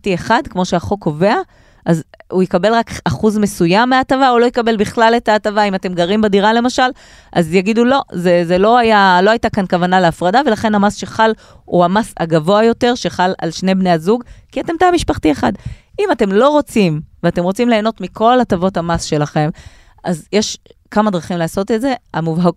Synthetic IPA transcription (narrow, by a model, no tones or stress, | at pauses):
tieχadkmo̞ʃe̞aχo̞kːo̞ve̞a | ʔazuikabe̞lʁakaχuzme̞sujamːeatavaolo̞jikabe̞lbiχlale̞tatavaimate̞mɡaʁimbadiʁale̞maʃal | ʔa̰zjaɡidulo̞zezelo̞ajalo̞ajtakankavanale̞afʁadave̞laχe̞nhamasʃeχal | ṵhamasa̰ɡavo̞ajo̞teʁʃe̞χala̰lʃne̞bne̞jazuɡkiate̞mt̪aamiʃpaχtieχa̰dimate̞mlo̞ʁo̞t͡simveate̞mʁo̞t͡simle̞ːno̞tmikʰo̞latavo̞tamasʃe̞laχe̞m | ʔazjeʃkamadʁaχimleːso̞tetze̞amuvɦaɡ